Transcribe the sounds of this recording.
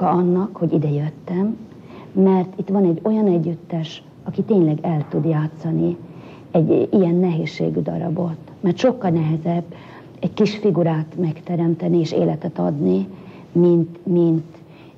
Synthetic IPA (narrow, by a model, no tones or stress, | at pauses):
ɒɒnːɒkho̞ɟid̪ɛjøt̪ːɛmː | ɛrt̪it̪ʋɒnɛɟːo̞jɒnɛɟːyt̪ːɛʃ | ɒkit̪eːɲlɛɡɛlt̪ud̪jaːt̪sɒni | ɛɟijɛnːɛɦeːʃːḛːɡyd̪ɒ̰ɾɒ̰bo̞t̪mɛrt̪ʃo̞kːɒlnɛɦɛzɛbː | ɛckiʃfiɡuɾaːt̪mɛkt̪ɛɾɛmt̪ɛnieːʃḛːlɛt̪ɛt̪ɒ̰d̪ni | mint̪mint̪